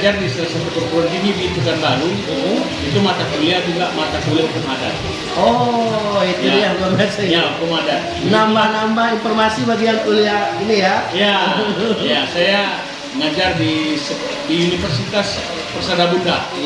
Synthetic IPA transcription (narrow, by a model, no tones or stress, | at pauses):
d͡ʒardisəsəbət̪urkuɾənt̪iŋibiit̪ukanbaɾu | it̪umat̪akuliad͡ʒuɡaʔmat̪akuliaukʊŋada̰n | ɔ | it̪uijanɡarbtsajaukumadat̪nambanambainfɔrmasibaɡijaŋkuliainijaja | jasaja | ŋad͡ʒardis | diunifərsit̪as | pərsadabunda